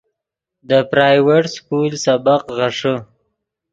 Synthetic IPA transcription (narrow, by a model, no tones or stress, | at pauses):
d̪əpɾajweʈskulsabaqɣaʂə